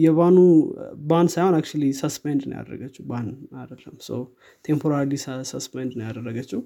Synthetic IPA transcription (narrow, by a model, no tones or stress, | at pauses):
jɛβanubansajhonak̚t͡ʃulisɐspendnə̰ja̰d̪ɾə̰ɡət͡ʃːubanadəlɐmso̰ | t̪ʰempʰoɾaɾlisɐspendnəjad̪ərəɡət͡ʃːu